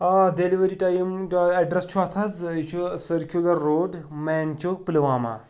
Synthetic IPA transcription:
ɐd̪eliʋɐɾiʈajimɐɖɾɐst͡ʃʰuɐt̪ʰɐd͡zit͡ʃʰusɐɾkʰjulɐɾːoːɖmɛːnt͡ʃok̚plɐʋaːma̰

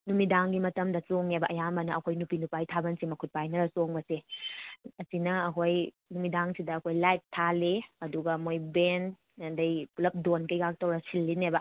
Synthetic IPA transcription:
numidaŋɡimɐtɐmdɐsoŋnebɐʔɐjambɐnɐɐkʰojnupinupajtʰabɐnsimɐkʰut̚pajnɐɾɐsoŋbɐse | ɐsinɐːkʰoj | numidaŋsidɐːkʰojlajtʰːaleɐduɡɐmojben | ɐndɐjpulɐp̚donkɐjɡak̚tɐwɾɐsilːinebɐ

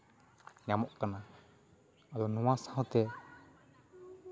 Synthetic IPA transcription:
ɲamɔʔkana | ad̪ɔnɔwasaɦɔ̃t̪ɛ

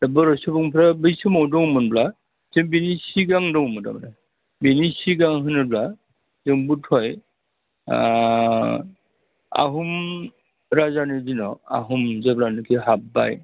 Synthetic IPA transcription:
abɔɾɔsɯbɔŋpʰɾabɯjsɯmɔwdɔŋmɯnbla | zembinisiɡaŋdɔŋmɯda̰bna | binisiɡaŋɦɯnɯbla | zɯŋbutʰɔj | a̰ɦum | ɾazanɯzinɔa̰ɦumzeblanɯkʰiɦabba̰j

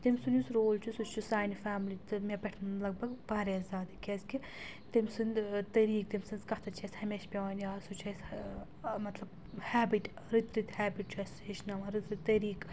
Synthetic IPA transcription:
t̪imʲsunʲjusɾoːlt͡ʃʰusut͡ʃʰusaːjnifaːmlit̪ɨmebʲɛʈʰnlɐɡ̚bɐɡbaːɾezzaːd̪ikʲezki | t̪imʲsɨnd̪t̪ɐɾiːk̚t̪imʲsɨnzkɐht̪ʰɐt͡ʃʰɐsʲhɐmeʃpʲeʋanjaːsut͡ʃʰɐs | mɐt̪lɐb | haːbiʈ | ɾit̪ɾit̪haːbiʈt͡ʃʰɐseːʃnɐmɐɾit̪ɾit̪ːɐɾiːk

